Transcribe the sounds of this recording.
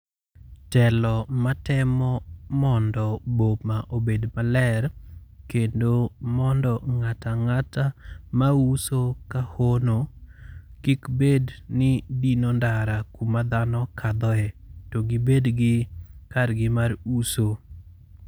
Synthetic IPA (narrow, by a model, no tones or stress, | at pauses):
tɛlɔmatɛmɔmɔndɔbomaʔobedmalɛɾkendomɔndɔŋataŋatamausokahono | kikbednɪdinondaɾakumad̪anɔkad̪ɔɛtoɡɪbedɡɪkarɡɪmaɾuso